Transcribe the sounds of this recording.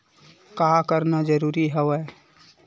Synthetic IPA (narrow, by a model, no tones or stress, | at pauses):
kaːkəɾnad͡ʒəɾuːɾiɦɛʋɛ